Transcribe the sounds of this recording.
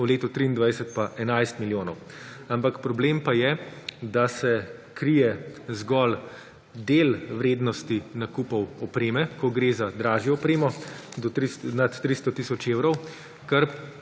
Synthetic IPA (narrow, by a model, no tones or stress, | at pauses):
wleːt̪ɔt̪ɾiːnd̪ʋajsɛt̪̚paʔɛnajst̪miljoːnɔw | ampakpɾɔbleːmpajɛd̪asɛkɾijɛzɡɔl | d̪elʋɾeːd̪nɔst̪inakuːpɔwɔpɾeːmɛkɔɡɾeːzad̪ɾaːʒjɛɔpɾeːmɔd̪ɔɾinat̪ːɾist̪ɔt̪isɔt͡ʃeːwɾɔw | kɐɾ